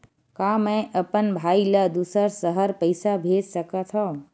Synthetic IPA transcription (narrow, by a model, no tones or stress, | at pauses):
kaːmɛ̃ʔəpənbʱaːiləd̪uːsəɾsəɦəɾpəɪsabʱeːd͡ʒsəkət̪ʰɔ̃